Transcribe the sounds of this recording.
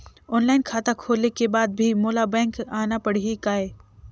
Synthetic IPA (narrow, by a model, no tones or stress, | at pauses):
ɔːnlaːɪnkʰaːt̪akʰoːlekebaːd̪̚bʱimoːlabɛ̃ːŋkaːnapɐɽ̤iikaːeː